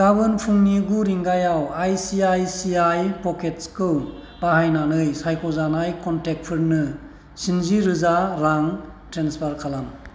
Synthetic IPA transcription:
ɡ̥abɯnpʰuŋniɡuɾiŋɡajawajsiajsiajpɔket̚skɯw | bahajnanɯjsajkɔzanajkɔntek̚pʰɯɾnɯ | sinziɾɯzaɾaŋ | tɾenspʰaɾkʰalam

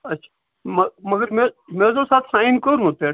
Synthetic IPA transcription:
ɐt͡ʃʰḁ | mɐmɐɡəɾmemeːzosaːt̪ʰsãːinkoɾnut̪eː

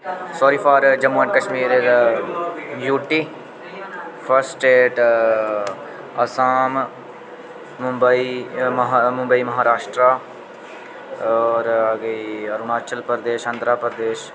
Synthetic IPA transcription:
soːɾiːpʰaːɾd͡ʒəmuːəɳʈ̚kəʃmiːɾeɾ | juːʈiː | pʰəɾsʈeːʈ | əsaːm | ʊmbəiː | mʊ̃mbəiːməɦaːɾaːʃʈɾaː | ɔːɾəɡeəɾʊmaːɾt͡ʃəlpəɾd̪eːʃənd̪ɾaːpəɾd̪eːʃ

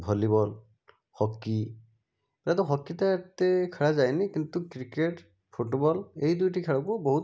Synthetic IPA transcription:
bʱɔlibɔl | hɔkːi | ɾatɔxɔkːitat̪ekʰaɹazajnikint̪ukɾikeʈ | pʰoʈobɔlejdujʈikʰaɹakubɔɦut

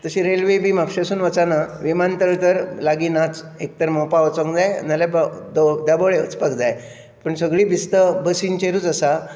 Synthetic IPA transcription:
t̪əɕĩɾelʋebʱiːmapɕesuːnʋət͡sanaʋimant̪əɭt̪əɾlaɡiːnat͡s | ek̚t̪əɾmopaʋət͡səŋɡd͡zaj̰nalabd̪od̪aboɭeət͡spakd͡zaj | pəɳsəɡɭiːbist̪əbəsint͡ɕeɾuːt͡səsa

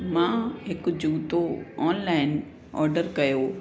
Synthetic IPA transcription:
mãːɦɪkd͡ʑuːt̪oɔːnlaːɪn | ɔ̰ːɾɖəɾkɐjoː

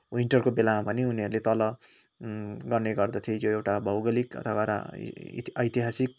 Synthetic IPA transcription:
wiɳʈʌrkobelãpʌniuniɦʌɾulet̪ʌlʌ | ɡʌrneɡʌrd̪at̪ʰiejoewʈabʱʌwɡʌlikʌ̰t̪ʰʌbaɾa̰ | ʌjt̪iɦasik

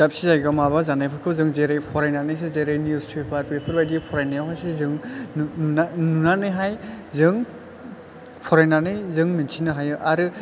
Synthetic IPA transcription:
zap̚sizajɡamaβazanajpʰɯkʰɯwzɯŋzeɾajpʰɔɾajnanɯjs̬ezeɾajnjuspʰepʰaɾwepʰɯɾbajdipʰɔɾajnajawɦajsezɯŋ | nanunanɯjɦajzɯŋ | pʰɔɾajnanɯjzɯŋminsʰinɯɦajɯʔaɾɯ

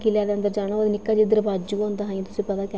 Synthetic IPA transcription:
kiljaːd̪eːənd̪əɾd͡ʒaːɽ̃aːəd̪inɪkːaːd͡ʒed̪əɾbaːd͡ʒukõːnd̪aːɦajãːt̪ʊ̥sĩːpəd̪aːkɛ

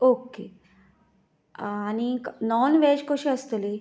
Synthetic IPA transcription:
oːke | ɐninɔːnʋeːd͡ʒkoʃiɐst̪ɐli

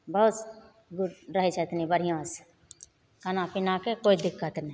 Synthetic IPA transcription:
bəut̪ | ɡʊɾɾəɦit͡ʃʰet̪nibəɽ̤ijõs | kənãpɪnakekoːid̪ɪkːət̪ni

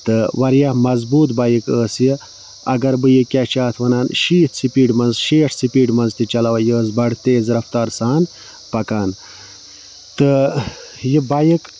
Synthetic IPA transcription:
t̪ɨwɐɾjɐmɐzbuːt̪bajikəːsjə | ɐ̰ɡɐɾbɨjikʲat͡ʃaːt̪ʰʋɐnaːnʃiːt̪ʰsipiːɖmɐnzʃeːʂsipiːɖmɐnzt̪it͡ʃɐlɐwɐjəːzbɐɽt̪eːzɾɐft̪aːɾsaːn | pɐkaːn | t̪ɨ | jibajik

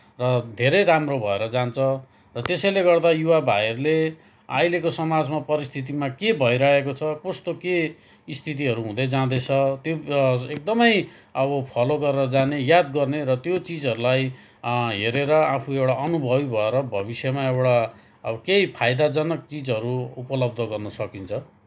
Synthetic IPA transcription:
rʌd̪ʱeɾʌjɾamrobʱʌeɾʌd͡zant͡sʰʌ | rʌt̪esʌjleɡʌrd̪ajuwabʱajʌrle | a̰jlekosʌmad͡zmapʌɾist̪ʰit̪̬imakebʱʌiɾʌekot͡sʰʌkost̪oke | ist̪ʰit̪̬iɦʌɾuɦũd̪ʌjd͡zãd̪et͡sʰʌt̪joek̚d̪ʌmʌj | ʌbʌpʰʌloɡʌrʌd͡zanejad̪ɡʌrneɾʌt̪jot͡sid͡zʌɾulaj | ɦeɾeɾʌapʰuewɽaʔʌnubʱʌbibʱʌeɾʌbʱʌbisjʌmaewɽa | ʌkeipʰajd̪ad͡zʌnʌk̚t͡sid͡zɦʌɾuupʌlʌb̚d̪ʱʌɡʌrnʌsʌkint͡sʰʌ

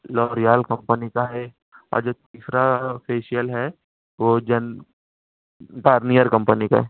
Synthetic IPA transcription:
lɔːɾijaːlkɐ̃mpənikaɦɛ | ɔ̰ːɾd͡ʒoːt̪iːsɾapeːʃijəlɦɛ | ʋod͡ʒɐn | ʈaːɾnijəɾkɐ̃mpənika̰ɦɛ

